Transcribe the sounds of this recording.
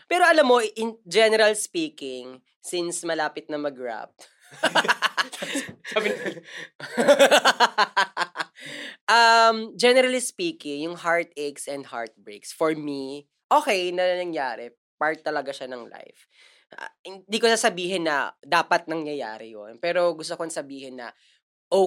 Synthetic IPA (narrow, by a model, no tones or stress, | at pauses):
pɛːɾoʔɐlamːoʔɪnd͡ʒɛnɛɾɐlspiːkɪŋ | sinsmɐlaːpɪt̪̚nɐmɐɡɹa̰p̚t̪ | sab̪ | ʔɐmd͡ʒɛnɛɾɐlispiːkɪŋjʊŋhaɹt̪ɛksɛnd̪̚ha̰ɹt̪̚bɹeksfɔɹmi | ʔoːkɛjnɐnɐnɐŋjaːɾɛ | paɹt̪ːɐlɐɡaʃanɐŋla̰jf | ʔɐ̰ɪnd̪ikonasɐbiːɦɪnːɐ̰d̪aːpɐt̪̚nɐŋjɐja̰ːɾɛjo̰npɛːɾo̞ɡʊst̪okonsɐbiːhɪnːɐ̰ | ʔo